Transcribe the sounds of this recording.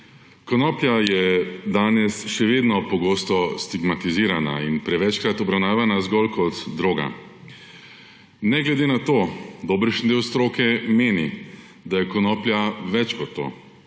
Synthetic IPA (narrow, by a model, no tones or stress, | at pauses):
kɔnɔːplʲjajɛd̪aːnɛsʃɛʋeːd̪nɔpɔɡoːst̪ɔst̪iɡmat̪iziːɾana̰inpɾɛʋɛt͡ʃkɾat̪ɔbɾawnaːʋanazɡɔlkʰɔt̪ːɾoːɡa̰ | nɛɡlɛd̪enat̪oːd̪oːbɾɛʃnd̪eːwst̪ɾoːkɛmeːnḭ | d̪ajɛkɔnɔːplʲjaʋɛt͡ʃkɔt̪ːo̰ː